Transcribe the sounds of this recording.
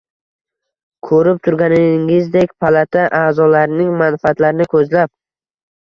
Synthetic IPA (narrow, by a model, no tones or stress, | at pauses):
kʰɵɾɪp̚t̪ʰʊɾɡʲanɪŋɪzd̪ekʲpʰalat̪ʰaʔaːzɒlaɾnɪŋmanfaat̪laɾɪnɪkʰɵzlap̚